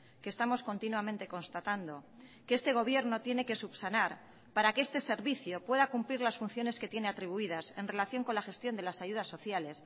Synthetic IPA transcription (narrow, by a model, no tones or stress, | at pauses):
kest̪amo̞sko̞nt̪inwamẽnt̪e̞ko̞nst̪at̪and̪o̞ | keest̪e̞ɣ̞o̞β̞je̞ɾno̞t̪je̞ne̞ke̞supsanaɾ | paɾake̞e̞st̪e̞se̞ɾβiθjo̞pwe̞ðakumpliɾlasfun̟θjo̞ne̞ske̞t̪je̞ne̞at̪ɾiβ̞uiðasenre̞laθjo̞ŋko̞nlaxe̞st̪jo̞nd̪e̞lasaʝuð̞asːo̞θjales